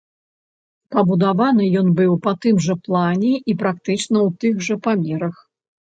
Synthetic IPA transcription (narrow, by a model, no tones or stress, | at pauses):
pɐbud̪avan̪ɨjɔnbɨwpɐt̪ɨmʐɐplˠanʲɛipɾakt̪ɨt͡ʂnɐwt̪ɨxʐɐpamʲɛɾɐx